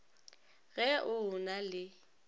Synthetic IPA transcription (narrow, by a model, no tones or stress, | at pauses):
ɣɛʔʊnalɪ